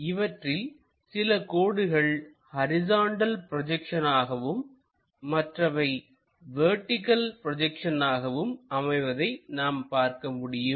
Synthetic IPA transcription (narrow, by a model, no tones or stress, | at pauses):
ɪʋɐʈrɪl | sɪlɐkoːɽɯɣɐɭ | hɐɾɪzaːɳɖɐlpɪɾɔd͡ʒɛkʂɐnaːɣɐʋɯmː | ɐʈrɐʋɐɪ | ʋeɾʈːɪkɐlpɾɔd͡ʒɛkʂɐnaːɣɐʋɯmɐmɐɪʋɐðɐɪnaːmpaːɾkɐmʊɽɪjɯm